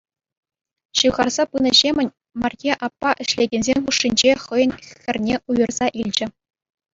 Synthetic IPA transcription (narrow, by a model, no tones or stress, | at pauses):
ɕɯʋʁɑrz̥ɑpɯnɤ̆ʑemʲɘ̆nʲ | mɑrjʲeʔɑpːɑʔɘ̆ɕlʲeɡʲenʲzʲemʲχuʂːinʲd͡ʑeχɤ̆jɤ̆nʲxʲɘ̆rʲnʲeujɤ̆rz̥ɑʔilʲd͡ʑɘ̆